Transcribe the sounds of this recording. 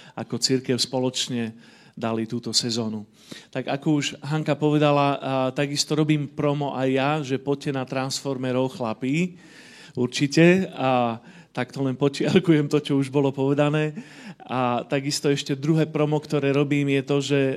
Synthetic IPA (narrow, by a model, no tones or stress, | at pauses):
a̰kɔt͡siɾkɛʊspɔlɔt͡ʃɲɛ | d̪alit̪uːt̪ɔsɛzɔːnu | t̪aɡakɔuʒɦaŋkapɔʋɛd̪alat̪aɡist̪ɔɾɔbiːmpɾɔmɔʔajːaʒɛpɔc̚cːɛnat̪ɾansfɔɾmɛɾɔʊxlapiː | uɾt͡ʃicɛa | t̪akt̪ɔlɛnpɔt͡ʃɪalkujɛmt̪ɔt͡ʃɔuʒbɔlɔpɔʋɛd̪anɛːat̪aɡist̪ɔɛʃcɛd̪ɾuɦɛːpɾɔmɔkt̪ɔɾɛːɾɔbiːmjɛt̪ɔʒɛ